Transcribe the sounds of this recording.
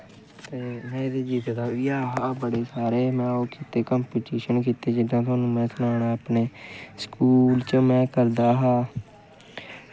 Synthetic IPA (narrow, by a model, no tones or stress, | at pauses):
t̪eːmɛ̃ːd̪eːd͡ʒiːd̪eːd̪aːɪaːɦaːbəɽeːsaːɾeːmɛ̃ːoːkʰiːt̪eːkaːmpiːʈiːʃənkiːt̪eːd͡ʒɪd̪ãːt̪̬ʊaːnũːmɛ̃ːsʊnaːɳaːaːpneːskuːlt͡ʃəmɛ̃ːkəɾd̪aːɦaː